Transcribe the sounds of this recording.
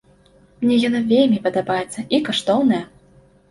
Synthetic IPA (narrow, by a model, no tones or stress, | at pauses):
mnʲɛjɔnavʲelʲmʲipɐd̪abajɛt̪sːɐʔikaʂt̪ɔwnɐjɐ